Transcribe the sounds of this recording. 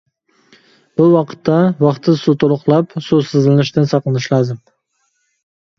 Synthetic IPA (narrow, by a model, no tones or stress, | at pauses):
b̥ʊwɑqʰə̥t̪ʰːawɑqt̪ʰɪsut̪ʰolˠʊqlˠapsosɪzlɪnɪʃt̪ɪnsɑqlˠɨnɪʃlɑzɪm